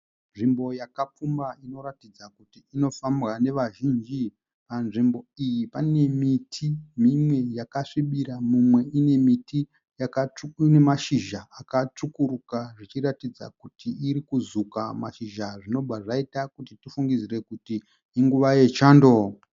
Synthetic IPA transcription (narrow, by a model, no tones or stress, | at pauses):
nʐimbo̞jakap͡fumbaino̞ɾatid͡zakutiːno̞famwane̞ʋaʒind͡ʒi | panʐimbo̞ijipane̞mitʰimimwe̞jakaʂiɓiɾamumwe̞ine̞miti | jakaune̞maʃiʒaakat͡ʂukuɾukaʐit͡ʃiɾatid͡za̰kutiːɾikuzukamaʃiʒaʐino̞bʱaʐaitakutitifuŋɡizire̞kutiː | ŋɡuʋaje̞t͡ʃaːndo̞